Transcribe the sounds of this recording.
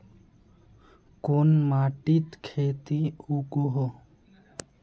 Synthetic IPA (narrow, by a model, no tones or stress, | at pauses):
koːnmaːʈiːt̪kʰeːt̪iuɡoɦo